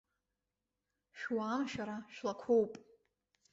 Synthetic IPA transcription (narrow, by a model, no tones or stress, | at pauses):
ʃwaːmʃᶣaɾaʃᶣlakʷʰowpʼ